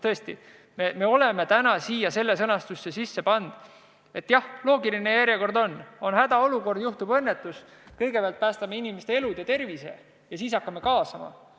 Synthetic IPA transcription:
t̪ɤ̞e̞st̪i | me̞me̞o̞le̞me̞t̪ænɑsiːjɑse̞lːe̞sɤnɑst̪usːesisːe̞pɑnd̪̥ | e̞t̪ːjɑhlo̞ːɡiline̞jæɾjeko̞rd̪o̞no̞nhæd̪̥ɑo̞luko̞rd̪̥juht̪ub̥ɤnːe̞t̪ːˑuskɤjɡepeæɑlt̪̚pæːst̪ɑmeinimest̪e̞elud̪̥et̪e̞rvise̞̰ | jɑsiːs̬ɑkːɑmekɑːsɑmɑ̰

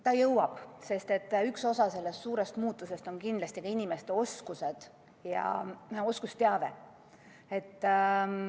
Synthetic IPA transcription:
t̪ɑjɤwɑb̥se̞st̪et̪ːykso̞sɑse̞lːe̞st̪suːɾe̞st̪muːt̪ˑːuse̞st̪o̞nkind̪lɑsʲt̪iɡɑinime̞st̪e̞o̞skuse̞d̪̥ | jɑ̰o̞skust̪eɑve̞ | e̞t̪ː

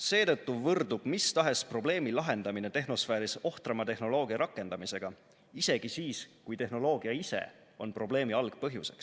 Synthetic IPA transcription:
se̞ːt̪ɤt̪ːuvɤrd̪ub̥mist̪ɑɦe̞spro̞ble̞ːmilɑɦe̞nd̪ɑmine̞t̪e̞ɦno̞sfæːɾiso̞ht̪rɑmɑt̪e̞hno̞lo̞ːɡ̥iɑɾʔɑkːˑe̞nd̪̥ɑmise̞ɡ̥ɑ | ise̞ɡ̥isiːskujt̪e̞ɦno̞lo̞ːɡ̥iɑisḛ | o̞npro̞b̥le̞ːmiɑlɡ̥pɤɦjuse̞̰ks

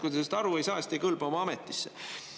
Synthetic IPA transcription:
kud̪esest̪ɑɾuejsɑːst̪ikɤlb̥omɑɑmet̪ːˑisːe̞

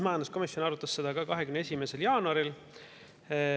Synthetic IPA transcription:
mɑjɑnd̪usko̞misjo̞nɑɾut̪ːˑɑsːe̞d̪̥ɑkɑkɑɦe̞kymneesʲime̞se̞ljɑːnuɑɾil

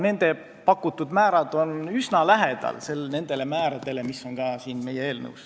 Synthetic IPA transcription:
ne̞nd̪̥e̞ | pɑkːˑut̪ːud̪mæːɾɑd̪̥o̞nysnɑlæɦed̪̥ɑ̰lse̞lne̞nd̪̥e̞le̞mæːɾɑd̪̥e̞le̞misːo̞ŋkɑːsiːnme̞jee̞ːlnɤ̰uws

